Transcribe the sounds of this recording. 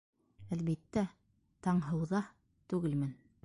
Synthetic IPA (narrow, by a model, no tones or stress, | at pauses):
ælβit̪ːæ | t̪ɑɴɦɤ̆wðɑ | t̪ʉɡɘlmɘn